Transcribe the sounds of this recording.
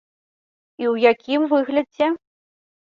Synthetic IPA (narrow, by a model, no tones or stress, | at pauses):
iwjakʲimvɨɣlʲɐd͡zʲɛ